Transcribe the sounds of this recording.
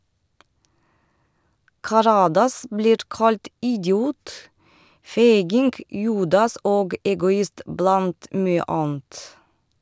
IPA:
kɑˈɾɑːdɑs ˈbliːɾ ˈkɑlt ʔɪɟˈjuːt ˈfeɪɡɪŋɡ ˈjuːdɑs ˈoːɡ ʔɛɡʊˈɪst ˈblɑnt ˈmyːə ˈʔɑːn̩t

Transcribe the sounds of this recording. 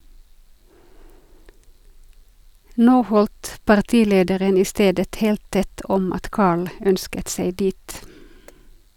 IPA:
ˈnoː ˈhɔldt pɑʁˈtiːˌleːdəɾən ˈiː ˈsteːdət ˈheːlt ˈtɛt ˈɔm ˈɑt ˈkɑːɭ ˈœnskət ˈsæɪ ˈdiːt

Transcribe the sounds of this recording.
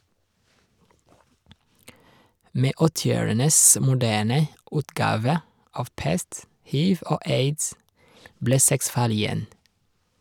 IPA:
ˈmeː ˈɔtɪˌoːɹənəs mʊˈdæːɳə ˈʉːtˌɡɑːʋə ˈɑʋ ˈpɛst ˈhiːʋ ˈoː ˈeɪds ˈbleː ˈsɛks ˈfɑːɭ ɪˈjɛn

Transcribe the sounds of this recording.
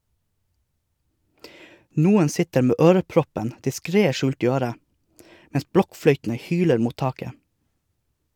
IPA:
ˈnuːən ˈsɪtəɾ ˈmeː ˈøːɾəˌpɾɔpən dɪˈskɾeː ˈʃʉːlt ˈiː ˈøːɾə ˈmɛns ˈbɽɔkˌfɽœʏtn̩ə ˈhyːləɾ ˈmuːt ˈtɑːkə

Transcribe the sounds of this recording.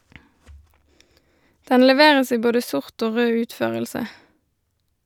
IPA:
ˈdɛn lɛˈʋeːʁəs ˈiː ˈboːdə ˈsʊʁt ˈoː ˈʁøː ˈʉːtˌføːʁəlsə

